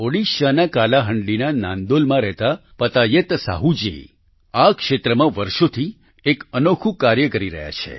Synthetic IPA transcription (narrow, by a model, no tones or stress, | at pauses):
oɽiʃanakalaɦəɳɖlinanã̰nd̪olmãɾɛɦt̪apət̪ajət̪sa̰ɦud͡ʒḛ | akʃet̪ɾəmãʋəɾʃot̪ʰi | ekənokʰũkaɾjəkəɾiɾə̰ɦja̰t͡ʃʰḛ